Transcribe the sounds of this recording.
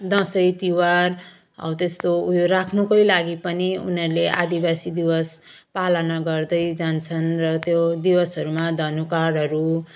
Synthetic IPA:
d̪ʌsʌjt̪iwar | ʌ̰wt̪est̪oujoɾakʰnukʌjlaɡipʌniṵnʌɾleʔa̰d̪ibasid̪iwʌs | palʌnʌɡʌrd̪ʌjd͡zant͡sʰʌnrʌt̪jod̪iwʌsɦʌɾumad̪ʱʌnukaɾɦʌɾu

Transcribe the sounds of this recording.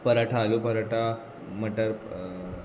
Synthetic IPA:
pəɾəʈʰaːlupəɾəʈʰa | m̤əʈəɾ

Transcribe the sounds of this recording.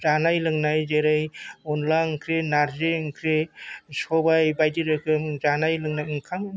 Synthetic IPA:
zanajlɯŋnajzeɾɯjɔnlaŋkʰɾenaɾzeŋkʰɾesɔbajbajdiɾɯkʰɯmzanajlɯŋnajɯŋkʰaŋ

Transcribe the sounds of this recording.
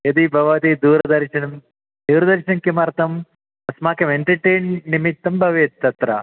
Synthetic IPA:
jɐd̪ibʱɐʋaːd̪id̪uːɾɐd̪ɐɾʃɐnɐm | d̪uːɾɐd̪ɐɾʃɐnɐmkimɐɾt̪ɐm | ɐsmaːkʰɐmeɳʈɐʈeːnːimit̪ːɐmbʱɐʋet̪ːɐt̪ɾɐ̰

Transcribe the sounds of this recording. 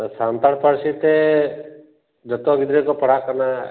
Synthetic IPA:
sant̪aɽpaɽsit̪ɛ | d͡ʒət̪ɔɡid̪ɾɛkɔpəɽaʔkɔna

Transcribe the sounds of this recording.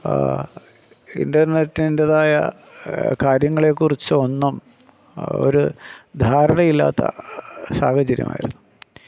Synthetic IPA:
ḭndɐrnetːndeðaːjɐ̰ | kaːɾjɐŋːɐɭe̞kːurit͡ɕːɨo̞nːum | o̞̰ɾud̪ʱaːɾɐɳɐjilːa̰ːt̪ːɐ̰sa̰ːhɐd͡ʑɐɾjɐ̰ma̰ːjiɾunːu

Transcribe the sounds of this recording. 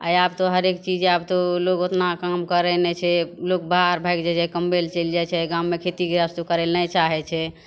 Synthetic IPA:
a̰jab̚t̪oɦəɾekt͡ʃid͡ʒeab̚t̪olokot̪nakamkəɾɛnɛt͡ʃʰɛlok̚baɾbʱajkd͡ʒɛd͡ʒɛkəmbelt͡ʃəld͡ʒajt͡ʃʰɛɡãwmekʰet̪ikeɾast̪okəɾelnət͡ʃaɦɛt͡ʃʰɛ

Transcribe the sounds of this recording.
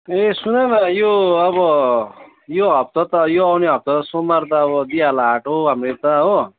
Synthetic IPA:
esunʌnʌjoʌβʌ | joɦʌp̚t̪ʌt̪ʌjoawneɦʌp̚t̪ʌt̪ʌsomːart̪ʌːβʌd̪ialaɦaʈʰoɦamret̪ʌɦo

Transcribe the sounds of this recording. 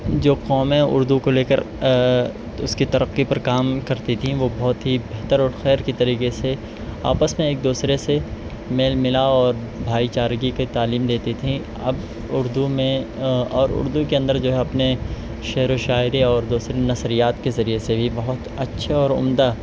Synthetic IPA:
d͡ʒoːqɔːmɦɛ̃ʊ̰ɾd̪ukoleːkəɾ | ʊ̰skit̪ɐɾəqːipɐɾkaːmkɐɾt̪it̪ʰĩʋobɔɦːʊt̪ɦibeɦt̪əɾɔːɾxɛːɾkit̪ɐɾiːqese | a̰ːpəsmẽeːk̚d̪uːsɾese | meːlmɪlaɔːɾ | bʱaːit͡ʃaːɾɡiket̪aːliːmd̪eːt̪it̪ʰĩ | ɐ̰b | ʊɾd̪umẽɔːɾʊ̰ɾd̪ukeɐ̃nd̪əɾd͡ʒoːɦɛɐpne | ʃɛɦɾoʃaːɪɾiɔːɾd̪uːsɾenɐsɾijaːt̪kezɐɾiesebʱibɐɦʊt̪ɐtːʃʰeɔːɾʊ̰md̪a

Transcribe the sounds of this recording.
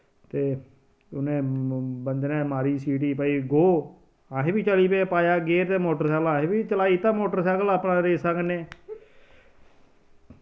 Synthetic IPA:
t̪eː | ʊnẽːbənd͡ʒ̪nɛ̃ːmaːɾiːsiːʈ̬iːpəiːɡoː | ãːɦẽːbiːt͡ʃəliːpeːpaːjaːɡeːɾt̪eːmoːʈəɾsɛːlãːɦẽːbiːt͡ʃəlaːiːt̪ãːmoːʈəɾsɛːkəlaːpnãːɾeːsakneː

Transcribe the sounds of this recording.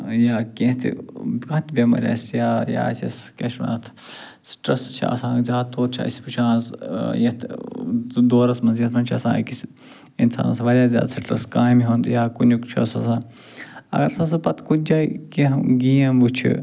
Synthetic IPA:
jaːkẽɦt̪ʰḭkɐt̪bʲemɐ̰ɾʲa̰ːsjaːja̰ːt͡ʃʰɐ̰skeʃmɐ̰nɐt̪ʰ | sʈɾɐst͡ʃʰḭɐ̰sãːzʲaːd̪t̪oːt̪̚t͡ʃʰa̰isi̥put͡ʃʰãːzjɐt̪ʰ | d̪oːɾɐsmɐnzjɐt̪mɐnʲt͡ʃʰɐsã̰ːkis | insa̰ːnɐ̰sʋɐɾʲjaːzʲja̰ːd̪sɐʈɾɐskãːmiɦõːnd̪jaːkunukt͡ʃʰusɐsãːn | ɐ̰ɡɐɾɐsãːs̬ɐpɐt̪ʰkud͡ʒaːikẽɦɡiːɐ̃but͡ʃʰḭ

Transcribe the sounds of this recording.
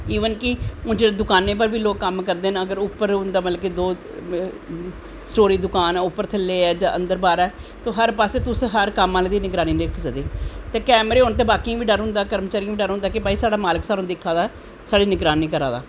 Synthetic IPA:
iːʋənkɪʊ̃nd͡ʒeed̪ʊkaːneːp̬əɾʋiːloːkːəmkəɾd̪eːnəɡəɾʊpːəɾɦʊ̃nd̪aːmət̪ləbkeːd̪oː | sʈoːɾiːd̪ʊkaːnɛːʊpːəɾt̪ʰəlːeːɛːd͡ʒãːʔə̃nd̪əɾbaːɾɛːt̪oːɦəɾpaːseːt̪ʊsɦəɾkəmːãːleːd̪iːnɪɡɾaːniːnəɪkʰsəd̪eːt̪eːkɛːmɾeːʊnt̪̬eːbaːkĩːʋiːɖəɾɦʊ̃nd̪aːkəɾmt͡ʃaːɾĩʋiːɖəɾɦʊ̃nd̪aːkɪbaːiːsaːɽaːmaːləksaːɾõːd̪ekʰaːd̪aː | saːɖiːnɪɡɾaːniːkəɾa̰ːd̪a̰ː

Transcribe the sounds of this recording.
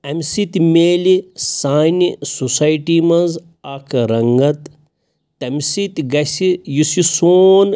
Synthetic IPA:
ɐmʲsit̪meːlisaːnisusaːjiʈimɐz | akʰɾɐŋɡɐt̪ː | ɐmsit̪ɡɐsijusisoːn

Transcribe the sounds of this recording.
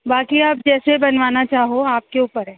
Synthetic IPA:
baːkiaːp̚d͡ʒɛːsebɐnʋaːnat͡ʃaːɦoaːp̚keuːpəɾɦɛː

